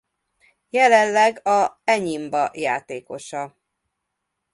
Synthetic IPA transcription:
jɛlɛnlɛɡɒɛɲimbɒjaːt̪eːko̞ʃɒ

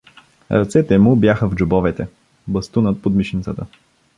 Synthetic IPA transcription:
ɾɐ̰t̪sɛt̪ɛmʊbjaxəvd͡ʒʊbɔvɛt̪ɛ | bɐst̪unət̪̚pod̪miʃint̪sət̪ə

